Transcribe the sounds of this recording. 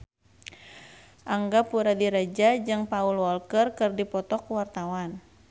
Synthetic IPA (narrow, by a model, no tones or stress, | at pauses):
ʔaŋɡapuɾadiɾad͡ʒad͡ʒɨŋpaulwɔlkərkɨrdipɔt̪ɔkuwart̪awan